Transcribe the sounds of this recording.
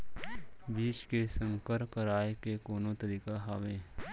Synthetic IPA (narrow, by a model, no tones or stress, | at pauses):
biːt͡ʃkesə̃ŋkəɾkəɾaːekekoːnõt̪əɾiːkaɦaːʋẽː